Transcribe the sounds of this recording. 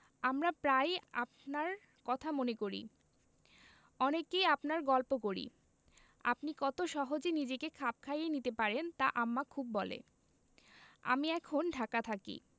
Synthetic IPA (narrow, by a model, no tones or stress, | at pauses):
amɾapɾajap̚naɾ | kɔt̪ʰamonekoɾḭ | ɔnekejapnaɾɡɔlpokoɾḭ | a̰pnikɔt̪oʃɔɦod͡ʑenid͡ʑekekʰap̚kʰajenit̪epaɾent̪aʔamːakʰubːɔlḛ | a̰miɛkʰonɖʱakat̪ʰakḭ